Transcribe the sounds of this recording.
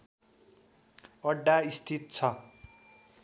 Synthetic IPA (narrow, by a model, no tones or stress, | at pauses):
ʌɖːaist̪ʰit̪̚t͡sʰʌ